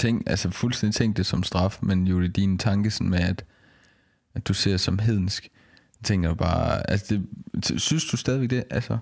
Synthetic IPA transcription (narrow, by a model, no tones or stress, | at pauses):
t͡sʰeŋ̰ɡ̥ælsəfulsd̥end̥i̥t͡sʰeŋ̰ɡ̥d̥̚esɒ̽msd̥ʁɑ̈fmenjo̝id̥int͡sʰɑ̈ŋɡ̥əsɒ̽nmeæd̥ | æd̥use̝ɐ̰sɒ̽mɦe̝ð̞̰ˠn̩sɡ̥ | t͡sʰeŋ̰ɡ̥ɐd̥ub̥ɑ̰̈ːælsəd̥e̝synsd̥usd̥ɛːðiʋeɡ̥̚d̥e̝ʔælsə